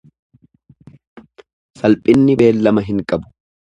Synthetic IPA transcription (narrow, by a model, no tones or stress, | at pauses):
sɐlpʼɪnːɪbe̞ːlːɐmɐɦɪŋkʼɐbʊ̥